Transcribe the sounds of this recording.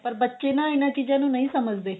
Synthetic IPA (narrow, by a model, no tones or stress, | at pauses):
pəɾbətːʃeːnãːɪnãːt͡ʃiːd͡ʒãːnũːnɐĩːsəməd͡ʒd̪eː